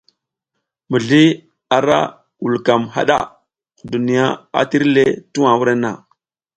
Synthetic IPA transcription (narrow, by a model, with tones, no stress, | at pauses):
mi˨ɮi˦ | a˨ɾa̰˦ | wu˨lka˨mɦa̰˦ɗa̰˦˨ | ku˨du˨ni˨ja˦a̰˨ti˦ɾle˦tu˦wa˨wu˦ɾe˦na̰˨